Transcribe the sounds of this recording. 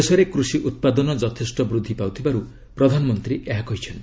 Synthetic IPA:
esɔɾekɾusiʔut̪̚pad̪ɔnɔd͡ʒɔt̪ʰesʈɔbɾud̪ʱːipawt̪ʰibaɾu | pɾɔd̪ʱanɔmɔnt̪ɾiʔeɦakɔɦit͡ʃʰen

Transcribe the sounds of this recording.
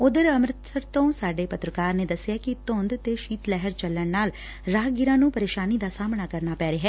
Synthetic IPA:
ʊd̪əɾəmɾɪt̪əɾt̪õːsaːɖeːpət̪ɾəkaːɾneːd̪əsːɪjaːkit̪õːnd̪t̪eʃiːt̪lɛɦəɾt͡ʃəlːəɳnaːl | ɾaːɡɪɾãːnũːpəɾeːʃaːnid̪aːsaːmnaːkəɾnaːpɛːɾeːɦɛː

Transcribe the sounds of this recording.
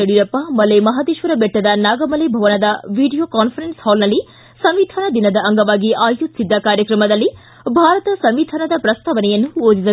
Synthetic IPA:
ɐɽiɾɐpːɐmɐlemɐɦaːd̪iʃʋɐɾɐbɛʈːɐd̪ɐnaːɡɐmɐlebʱɐʋɐnɐd̪ɐʋiːɖijoːkaːnpʰɐɾenshɔːlnɐlːi | sɐmʋid̪ʱaːnɐd̪inɐd̪ɐʔɐŋɡɐʋaːɡiʔaːjut̪sid̪ːɐkaːɾjɐkɾɐmɐd̪ɐlːi | bʱaːɾɐt̪ɐsɐmʋid̪ʱaːnɐd̪ɐpɾɐst̪ʰaːʋɐnɛjɐnːuoːd͡ʒisɐ

